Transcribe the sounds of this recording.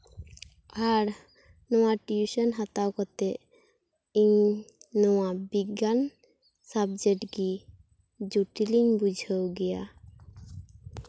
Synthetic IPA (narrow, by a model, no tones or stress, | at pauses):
aɾ | nɔwaʈiusənɦat̪awkɔt̪e | iŋnɔwabiɡan | sabd͡ʒeʈɡi | d͡ʒuʈiliŋbud͡ʒʱəwɡɛja̰